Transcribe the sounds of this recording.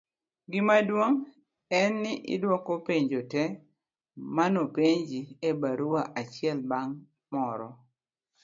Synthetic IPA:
ɡɪmadwoŋ | ɛnːɪʔɪ̰dwɔkɔpeɲd͡ʒotɛ | manopeɲd͡ʒiebaɾuwaʔat͡ʃɪɛlbaŋ | mɔɾɔ

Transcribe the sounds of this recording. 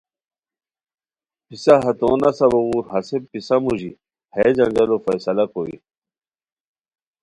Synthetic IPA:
pisaɦɐt̪o̰ːnɐsɐbowuːɾɦɐsepisamuʑi | heːd͡ʑɐŋɡɐlofɐjsɐlɐkowḭ

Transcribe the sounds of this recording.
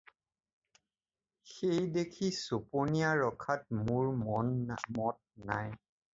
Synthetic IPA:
xejdekʰisoponijaɹɔkʰat̚mʊɹmɔnmɔt̚naj

